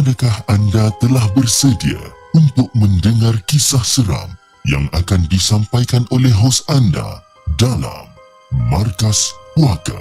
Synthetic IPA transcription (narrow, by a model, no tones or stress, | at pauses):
ʔadakahandat̪əlahbərsədia̰ | unt̪ʊk̚məndəŋarkisahsəɾa̰m | ja̰ŋakandisampajkanolɛɦɦosanda̰ | dala̰mː | arkaspuaka̰